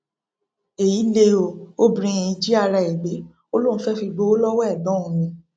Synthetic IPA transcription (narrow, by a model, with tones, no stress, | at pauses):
e˨ji˨˦le˧o˨o˦bɾĩ˧˦ĩ˨i˨˧˦d͡ʒi˦a˦˧ɾa˧˨e˨ɡ͡be˨˦ | o˦lõ˦˨˦fɛ˦fi˧ɡ͡bo˨˦o˦lɔ˦wɔ˦ɛ˦˨dɔ̃˨˦õ˨nĩ˧